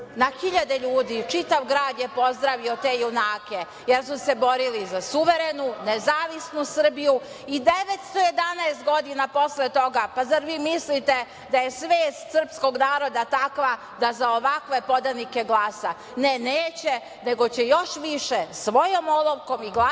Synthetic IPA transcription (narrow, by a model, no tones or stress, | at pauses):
naxiʎad̪eʎuːd̪it͡ʃit̪aʋɡɾaːd̪jepo̞zd̪ɾaʋio̞t̪e̞ːjunaːke | jeɾsuse̞bo̞ɾilizasuʋe̞ɾe̞nunezaːʋisnusr̩biju | id̪e̞ʋet̪st̪o̞je̞d̪anaest̪̚ɡo̞d̪inapo̞slet̪o̞ɡapazaɾʋiːmislit̪e | d̪ajesʋeːst̪sər̩psko̞ɡnaːɾo̞d̪at̪akʋa | d̪azaoʋakʋe̞po̞d̪anike̞ɡlˠaːsa | neneːt͡ɕe | ne̞ɡo̞t͡ɕejo̞ʃʋiʃesʋo̞jomolˠoʋko̞miɡla